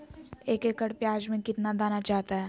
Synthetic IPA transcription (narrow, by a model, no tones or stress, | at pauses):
eːkeːkəɽpjaːd͡ʒmẽkɪt̪nad̪aːnat͡ʃaːt̪aɦɛː